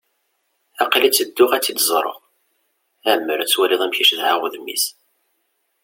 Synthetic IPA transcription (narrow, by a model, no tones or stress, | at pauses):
æqlit͡sːəd̪ːʊʁæt͡sːid̪zˤɾˤə̰ʁ | æʕmːəɾæt͡sːwæliðˤæmçiʃðhaʁʊðmːḭs